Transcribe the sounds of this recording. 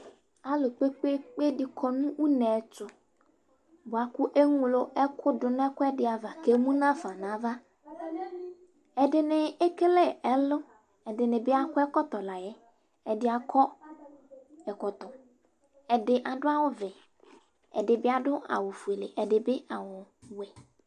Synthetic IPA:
a˨lʊ˨k͡pe˦k͡pe˦k͡pe˦dɪ˨kʰɔ˦nũ˦wu˦nɛ˨t͡ʃʊ˦ | bo˨a˨kʊ˦ʔe˦ŋũ˨lo˦ɛ˦kʰʊ˦dʊ˨n˦ɛ˦kʊ˦ɛ˦dɪ˨a˨va˨ke˦mũ˦nã˦fa˨nã˨˦va˦ | ɛ˨dɪ˨nɪ˨ɛ˦ke˦lɛ˦ɛ˦lʊ˦ | ɛ˨dɪ˨nɪ̃˨bɪ˦a˦kʊ˦ɛ˦kɔ˦t̪ɔ˨la˨jɛ˦ | ɛ˨dɪ˦a˨kʰɔ˦ | ɛ˨kɔ˨t̪ɔ˨ | ɛ˨dɪ˨ʔa˨dʊ˦a˦wʊ˦vɛ˨ | ɛ̰˨dɪ˨bɪ˦a˨dʊ˦a̰˨wʊ˨fu˨e˨le˨ʔɛ˨dɪ˨bɪ˦ʔa˨wʊ˨wɛ˨

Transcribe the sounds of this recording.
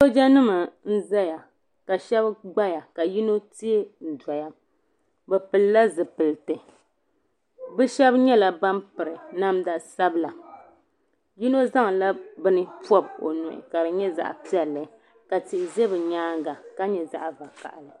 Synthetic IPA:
so˦d͡ʒɛ˦nɨ˦ma˨n̩˦za˦ja˨ | ka˨ʃɛ˦bɡ͡ba˦ja˨ka˨ji˦no˦ti˦e˦n̩˨da˨ja˦ | bɛ˨pɨ˨lla˦zɨ˨pɨ˨lɨ˨tɨ˨ | bɛ˦ʃɛ˦bɲɛ˦la˨ba˦mpɨ˨ɾɨ˨na˦mda˦sa˦bla˨ | ji˦no˦za˦ŋ˨la˦bɨ˦nɨ˦pɔ˦bo̰˨nʊ˨ʔɪ̰˨ka˨ɾɨ˨ɲɛ˦za̰˨ʔa̰˨pi˦ɛ˨lːɨ˨ | ka˨tɪ˨ʔɪ˨zɛ˦bɨ˨ɲaː˦ŋɡa˨ka˦ɲɛ˨za̰˦ʔa˨va˨ka̰˨ʔlɨ˨

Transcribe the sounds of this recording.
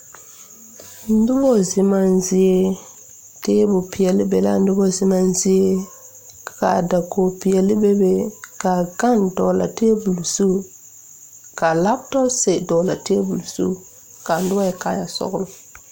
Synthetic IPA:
n̩˦dʊ˦bɔ˦zɪ˦ma˦n˦zɪ˦e˦ | te˦bʊ˨pi˨ɛ˨lɪ˦bɛ˨la̰˦n̩˦dʊ˦bɔ˦zɪ˦ma˦n˦zɪ˦e˦ | ka̰˨da˨ko˨pi˨jɛ˨lɪ˦bɛ˦be˦ka˨ɡa˦˨ndɔ˨la̰˨tɪ˦e˦bu˨lsu˦ | ka˨la˦btɔ˦se˨dɔ˨la˨tɪ˦e˦bu˨lsṵ˦˨ | ka˨n̩˦dʊ˦a˦jɛ˨ka˦ja˨sɔ̰˦ɡʊ˦lʊ˨

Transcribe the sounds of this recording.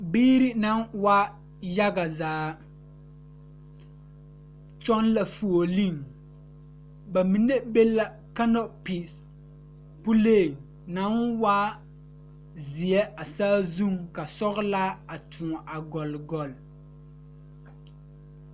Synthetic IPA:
biː˦ɾi˦na˦nwa˦ | ja˦ɡa˨zaː˨˦ | t͡ʃɔ˦nla˨fu˨o˨li˦˨ŋ | ba˨mi˨nːe˦be˦la˦ | ka˦nɔ˦pi˨s | pu˦le˦˨ŋ | na˨˦nwa˦ | zi˨ɛ˦a˨saː˦zu˦ŋka˨sɔ˦ɣla˦a˨tʰũ˨ʔa˨ɡɔ˨lɡɔ˨l

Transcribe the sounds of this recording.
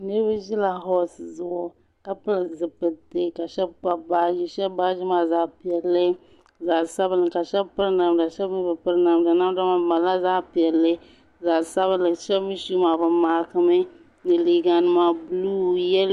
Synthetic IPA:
nɨ˦ɾbɨ˦ʒi˦la˨ɦɔ˦sɨ˨zʊ˨ʔʊ˨ | ka˦pɨ˦lɨ˨zɨ˨pɨ˨tɨ˦ka˨ʃɛ˦b̚k͡pa˦ba˦ʒi˦ʃɛ˦bba˦ʒi˦ma˦za˦pi˨ɛ˨lːɨ˦ | za˨sa˦bɨ˦lɨ˨ka˨ʃɛ˦bpɨ˦ɾna˨mda˨ʃɛ˦bmi˦bɨ˨pɨ˦ɾna˨mdɨ˨na˦m˦da˦ma˨ma˨la˦za˦pi˨ɛ˨lːɨ˦ | za˨sa˦βɨ˦lɨ˨ʃɛ˦bmi˦ʃu˦ma˨bɨ˨maː˨kɨ˦mɨ˦ | nɨ˨li˨ɡa˨nɨ˦ma˦blu˦jɛ˦l

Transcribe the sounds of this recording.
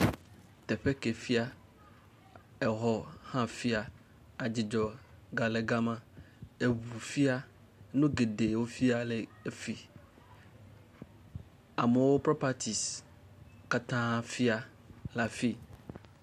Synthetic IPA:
t̪ɛ˨ɸe˦ke˨fi˦a˦˨ | ɛ˨ɦɔ˨hã˦fi˦a˨ | a˨d͡ʑi˨d͡ʒɔ˨ɡa˨le˨ɡa˦mã˦ | e˨βu˨fi˦a˦ | nũ˦ɡe˨de˨wo˦fi˦a˦le˨e˨fi˨ | a˨me˨wo˦pɾɔ˦pa˨t̪ʰi˨s | ka˦t̪ã˦ɦã˦fi˦a˨ | la˨fi˦

